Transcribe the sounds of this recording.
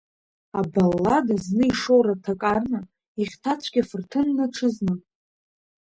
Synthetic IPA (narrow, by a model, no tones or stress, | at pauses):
abalːadaznɨiʂowɾatʰakʼarna | iχʲtʰat͡ɕʷʰɡ̥ʲafɨrtʰɨnːɨʈ͡ʂʰɨznɨ